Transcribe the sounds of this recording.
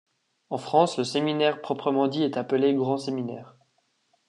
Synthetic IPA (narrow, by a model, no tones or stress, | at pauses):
ɑ̃fχɑ̃sləseminɛʁpχɔpχəmɑ̃d̪iɛt̪apəleɡʁɑ̃seminɛːʁ